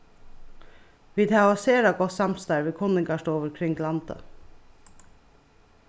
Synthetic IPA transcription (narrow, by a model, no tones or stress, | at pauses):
ʋiːd̪ɑɑseːɾɑɡɔsɑmst̪ɑɪʋɪːkʰʊnɪŋɡɑʃʈoːʋəɾkʰɾɪŋɡlɑnt̪ə̰